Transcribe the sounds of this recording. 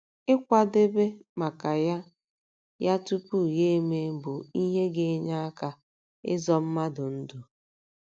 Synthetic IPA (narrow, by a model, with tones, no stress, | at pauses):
ɪ˦kʷa˦de˦be˦ma˨ka˨ja˦ | ja˦tu˦pu˦˨ɣe˦e˦me˦bʊ˨i˦ɦe˦ɡe˨˦ɲa˦a˦ka˨ | ɪ̰˦zɔ˦m̩˦ma˦dʊ˨n̩˦du˨